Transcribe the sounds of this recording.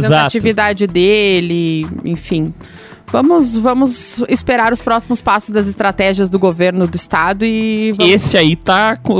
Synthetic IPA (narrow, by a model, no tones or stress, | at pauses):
ẽzaat͡ʃivid̪ad͡ʒɪd̪elɪḛ̃fĩ | vɐ̃mʊzvɐ̃mʊzɪspeɾaɾʊspɾɔsimʊspasʊzd̪ɐzɪst̪ɾat̪ɛʒiɐzd̪ʊɡoveɾnʊd̪ʊɪst̪ad̪ʊɪṽesɪait̪akõ